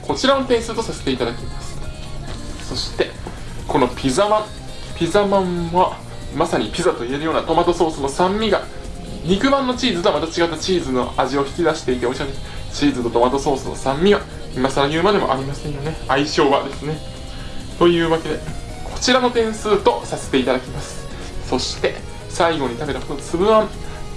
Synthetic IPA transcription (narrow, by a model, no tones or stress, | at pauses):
kʰo̞t͡ɕiɾano̞t̪ẽ̞ɰ̃sɨt̪o̞sase̞̥t̪e̞it̪ad̪akʲemasɨ̥ | so̞ɕi̥t̪e̞ | ko̞no̞pʲizamã | pʲizamãɰβa | masaɲ̟ipʲizat̪o̞ie̞ɾɯjo̞ːnat̪o̞mat̪o̞so̞ːsɨno̞sãmːʲiɡa | ɲ̟ikɯ̟bãnːo̞t͡ɕiːzɨt̪o̞amat̪at͡ɕiɡat̪ːat͡ɕiːzɨno̞̰aʑio̞çi̥kʲid̪aɕi̥t̪e̞it̪eoiɕioɲest͡ɕiːzɨt̪o̞t̪o̞mat̪o̞so̞ːsɨno̞̰sãmːʲiβa | imasaɾajɯ̟ːmad̪e̞mo̞̰ʔa̰ɾʲimasẽ̞ɰ̃jo̞ne̞aiɕo̞ːβad̪e̞sɨne̞ | t̪o̞jɯ̟ːβake̞d̪e̞ | kʰo̞̥t͡ɕiɾano̞t̪ẽ̞ɰ̃sɨːt̪o̞sase̞̥t̪e̞it̪ad̪akʲimasɨ̥ | so̞ɕi̥t̪e̞ | saiɡo̞ɲ̟it̪abe̞ɾahot̪osɨbɯ̟ãm